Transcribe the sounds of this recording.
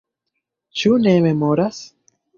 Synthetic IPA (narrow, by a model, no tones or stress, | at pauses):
t͡ʃune̞me̞mo̞ɾas